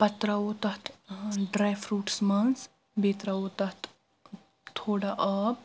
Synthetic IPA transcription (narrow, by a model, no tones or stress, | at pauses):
pɐt̪ɾaoːt̪ɐt̪ɖɾajfʰɾuːʈsmɐns | beːt̪ɾaoːt̪ɐt̪ | t̪ʰoːɽaʔɐːb̚